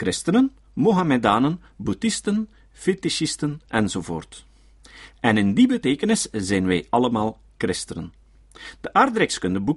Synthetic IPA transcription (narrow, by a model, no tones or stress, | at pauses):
kɾɪstənən | moɦamedaːnən | budɪstən | fetiʃistənʔɛnzoːvo̰ːrt | ɛnɪndibəteːkənɪszɛjnʋɛjɑləmaːlˠ | krɪstənə̰n | d̥əʔaːrdɾɛkskɵndəbu